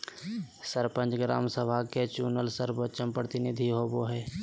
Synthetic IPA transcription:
səɾpə̃nt͡ʃɡɾa̰ːmsəbʱaket͡ʃuːnəlsəɾbət͡ʃənpɾət̪ɪnɪd̪ʱiɦoːboɦɛː

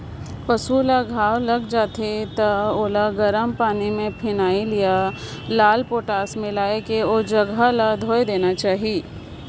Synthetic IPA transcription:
pɐsulaɡʱaːwlɐɡd͡ʒaːt̪ʰet̪ɐoːlaɡɐɾəmpaːnimẽpʰɪnaːilija | laːlpoːʈaːsmẽlaːekeoːd͡ʒɐɡʱalad̪ʱoːjd̪eːnat͡ʃaːɦiː

